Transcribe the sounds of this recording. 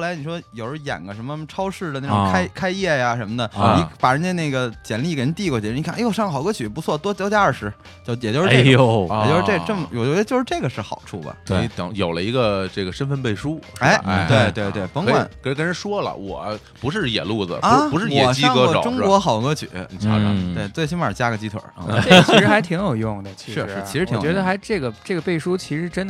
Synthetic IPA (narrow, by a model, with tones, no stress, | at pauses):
la˧˥ɪni˨˩ʂwɔ˥jo˨˩ʊɹə˧˥jɛ̰˨˩nɡə˦ʂə˧˥nmə˧ʈ͡ʂʰɑ˥ʊʂɻ̩˥˩d̪ə˩na˥˩ʊ̃˨˧a˥ɪkʰa˥ɪjɛ˥˩ja˩ʂə˧˥nmə˧d̪ə˨ni˧˥pa˨˩ʂə˧˥nt͡ɕjɛ˥ne˥˩ɡə˩t͡ɕjɛ˨˧˩nli˥˩ke˨˩˥ni˧t̪i˥˧kwɔ˧˩t͡ɕjɛ˧˥˧i˧˥˧jo˥˧ʊʂɑ˥˩ŋ˧˨ɑ˨˩ʊ˩ɡə˥t͡ɕʰy˨˩˥p̬u˧˥t͡sʰwɔ˥˩t̪wɔ˥t͡ɕjɑ˥ʊt͡ɕja˥ə˞˥˩ʂɻ̩˧˥ | t͡ɕjɛ˨˩t͡ɕjo˥˧ʂɻ̩˥˩˧jt͡ɕjo˥˧ʂɻ̩˧ʈ͡ʂe˥˩˧ʈ͡ʂə˥˩mə˩jo˨˩o˥˧˥t͡ɕjo˥˧ʊʂɻ̩˥˧ʈ͡ʂe˥˩ɡə˩ʂɻ̩˥˩xɑ̰˨˩ʊʈ͡ʂʰṵ˥˩bə̰˩˥˩i˧˩t̪ɑ̰˧˥˦ŋjo˨˩ʊlə˦i˧˥ɡə˧ʈ͡ʂɤ˥˩ɡə˩ʂə˥nfə˧npe˥˩ɪʂu˥e˥˩ɪ˧˩t̪we˥˩ɪt̪we˥˧ɪt̪we˥˩ɪpɑ˧˥ŋkwa̰˩˨˩nʰ˧˥˧kə˥nɻə˧˥ʂwɔ˥lə̰˨wɔ̰˨˩˦ | pu˧˥ʂɻ̩˥˩jɛ̰˨˩lu˥˩d͡zə̰˩˥˧u˧˥ʂɻ̩˥˧jɛɔ˨˩˨t͡ɕi˥ŋkɤ˧˥˩ʈ͡ʂʊ˥ŋkwɔ˧˥xɑ˨˩ʊ˧˥ɡə˧˥t͡ɕʰy̰˨˩˦ni˨˩ʈ͡ʂʰa̰˥˧ɑ̰˧t̪we˥˩ɪt͡swe˥˩ɪɕ̬i˥nmə˞˨˩t͡ɕja˥ɡə˨t͡ɕi˥t̪ʰwə̰˧˥˧ɻxa˧˥ɪt̪ʰi˧˥ŋjo˨˩ʊjʊ˥˩ŋd̪ə˩t͡ɕʰiʂʂɻ̩˥˩˧ʂɻ̩˧˥˩t͡ɕʰi˧˥ɻ̩˧t̪ʰɛ˧˥d̪ə˧xa˧˥ɪʈ͡ʂɤ˥˩ɡə˩ʈ͡ʂɤ˥˩ɡə˩pe˥˩ɪʂu˥t͡ɕʰi˧˥ʂɻ̩˧˥ʈ͡ʂə˥nd̪ə˩